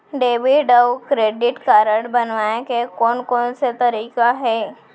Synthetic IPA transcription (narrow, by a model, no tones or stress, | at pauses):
ɖeːbiɖəwkɾeːɖɪʈkaːɾəɽbənʋaːekekɔːnkɔːnset̪ɐɾiːkaɦɛː